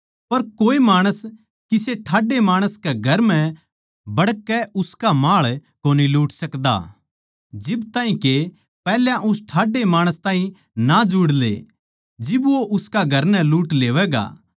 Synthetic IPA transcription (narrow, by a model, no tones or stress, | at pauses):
pɐɾkoːemaːɽ̃əs | kiseʈʰaːɖemaːɽ̃əskeɡʱɐɾmɛ̃ | bɐɽkɛʔʊskamaːɭkoːniluːʈsɐkd̪a̰ | d͡ʒɪbt̪aːĩke | pɛːljãʔʊsʈʰaːɖemaːɽ̃əst̪aːɦĩ | nad͡ʒuːɽlḛ | d͡ʒɪboʔʊskaɡʱɐɾnɛ̃luːʈleːʋɛɡa̰ː